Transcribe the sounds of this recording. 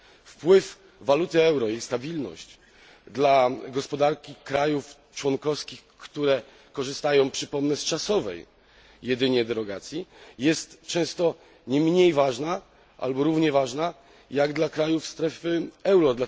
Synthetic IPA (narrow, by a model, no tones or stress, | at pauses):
fpwɘf | valut̪ɘɛwɾɔjejst̪abʲilnɔ̰ɕt͡ɕ | d̪laɡɔspɔd̪aɾkʲikɾajuf | t͡ʂwɔnkɔfskʲixkt̪uɾɛ | kɔʐɘst̪ajɔ̃w̃pʂɘpɔmnɛst͡ʂasɔvɛ̰jː | ɛd̪ɘɲɛd̪ɛɾɔɡat̪sʲjijɛst̪t͡ʂɛ̃w̃st̪ɔ | ɲɛmɲejvaʐna | ʔa̰lbɔɾuvɲɛvaʐna | jaɡd̪lakɾajufst̪ɾɛfɘɛwɾɔd̪la